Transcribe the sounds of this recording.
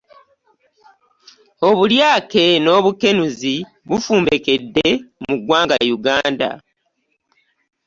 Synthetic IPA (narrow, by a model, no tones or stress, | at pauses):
o̞βuljaːke̞no̞ːβuke̞nuzi | βufuːmbe̞ke̞dːe̞muɡwaːŋɡajuɡaːnda̰